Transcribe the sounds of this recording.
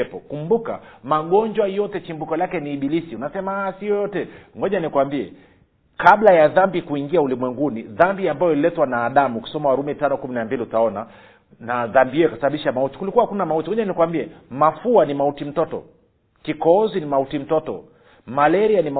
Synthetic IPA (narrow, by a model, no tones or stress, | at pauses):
ɛpɔkumbuka̰maɠɔɲd͡ʒwajɔtɛt͡ʃimbukɔlakɛniːɓilisiunasɛmasijɔjɔtɛŋɡɔɲanikuwambiɛ̰ | kaɓlajaðambikuiŋɡiaulimwɛŋɡuniðambiambajɔililɛtwanaːɗamuːki̥sɔmawaɾumɛtanɔkuminambiliutaɔna | naðambiɛɛkasaɓaɓiʃamauti̥kulikuwahakunamautiŋɡɔɲanikwambiɛmafuanimautim̩tɔtɔ̰ | kikɔɔzinimautim̩tɔtɔ̰ | malɛɾianim